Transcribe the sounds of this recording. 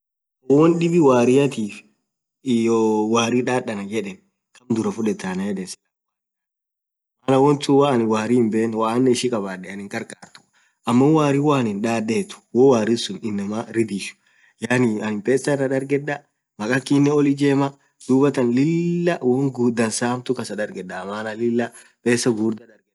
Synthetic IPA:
ɔwɔnɗɪbɪwaːɾɪjɐt̪iːf | jowaːɾiᶑaːɗːɐnɐd͡ʒɛᶑɛn | kɐmd̪ʊɾɐfʊᶑɛt̪ːaːnɐjɛd̪ɛsɛ̥lɐ | maːnɐwɔnt̪ʊwaɐnɪwaːɾɪɪmbeːnwaːnːɛɪʃɪkʼɐbaːɗːɛɐnɪŋkʼɐɾkʼaːɾt̪ʊ̥ | ʔɐmːɐwaːɾiwaːnɪnᶑaːdːeːt̪ʊ̥wɔwaːɾɪsʊnɪnːɐmaɾɪd̪iʃʊ̥ | jaːniɐnɪmpʼeːsːɐnɐᶑɐɾɡɛᶑɐ | mɐkʼɐkːinːɛɔlɪd͡ʒeːmɐ | d̪̥uːbɐt̪ɐnlɪlːɐwɔŋɡud̪ɐnsaːmt̪ʊkɐsɐᶑɐɾɡɛᶑɐmaːnɐlɪlːɐ | pʼeːsːɐɡuːɾd̪ɐᶑɐɾɡ

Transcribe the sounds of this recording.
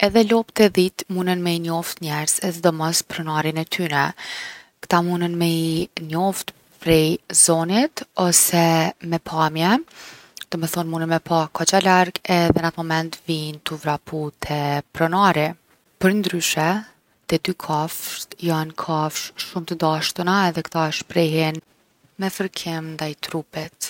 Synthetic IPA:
ɛðɛlɔpt̪ɛðit̪munənmɛinɔft̪ɲɛɾzɛðɛd̪ɔmɔspɾɔnaɾinɛt̪ʰynɛ | kt̪amunənmɛinɔft̪ | pɾɛzɔnit̪ɔsɛmɛpʰamjɛ | d̪̥ɔmɛθɔnmunənmɛpakɔt͡ʃalaɾɡɛðɛnat̪mɔmɛnt̪vint̪uvɾaput̪ʰɛpɾɔnaɾi | pəɾnd̪ɾyʃɛ | t̪ɛd̪ykʰafʃt̪jankʰafʃʃumt̪əd̪aʃt̪ənaɛðɛkt̪aʃpɾɛɦɛn | mɛfəɾkʰimnd̪ajt̪ɾupɛt̪

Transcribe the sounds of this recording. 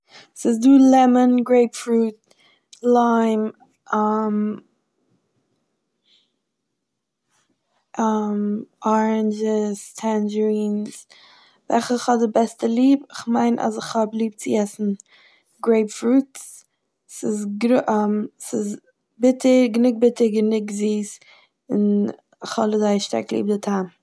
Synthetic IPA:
sɪzduːlˠɛmənɡɾeɪpfɾuːt̚ | laɪm | am | ʔamɔɹənd͡ʒəstʰɛnd͡ʒəɾiːns | vɛlχəχhɔdɪbɛstəlˠiːbɪχmaɪnʔa̰zɪχhɔblˠiːb̚t͡sɪɛsn̩ | ɡɾeɪpfɾuːts | sɪsɡɾʔmsɪz | bɪtəɾɡənʊɡ̚bɪtəɾɡənɪɡziːs | ɪn | ɪχhɔlˠəzaɪʃta̰ɾklˠḭːb̚dɪtʰam

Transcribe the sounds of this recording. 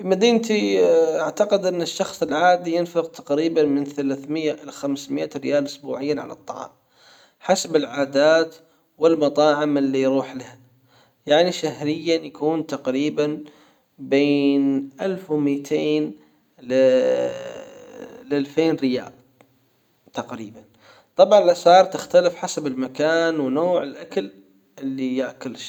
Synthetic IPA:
fimad̪iːnt̪iʔaʕt̪aqɪd̪ʔɪnːɪʃːɑxsˤɪlʕaːd̪ijɪnfɪqt̪ʰḁqɾiːbanmɪnθalaːθmɪjːaʔɪlaxamsmɪʔaɾɪjaːlʔʊsbuːʕɪjːaʕa̰lɑ̰t̪ˤːɑ̰ʕɑ̰ːm | ħasabɪlʕaːd̪aːt̪ | wɪlmɑt̪ˤɑːʕɪmʔɪlːijɾuːħlaha | jaʕniʃaɦhɾɪjːanjakuːnt̪aqɾiːban | beːnʔalfwmiːt̪ʰeːn | l | lʔalfeːnɾɪja̰ːʔ | t̪aqɾḭːban | t̪ˤɑbʕɑnlasɑːɾˤt̪ɪxt̪alɪfħasabɪlmakaːnwnoːʕɪlʔakal | ʔɪlːijaʔkʊlʃ

